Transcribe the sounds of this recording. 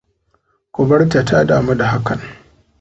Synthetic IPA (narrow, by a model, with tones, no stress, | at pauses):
kʷʊ˨bɐ˦rta˨ta˦daː˨ma˦da˨ɦa˦kɐ˨n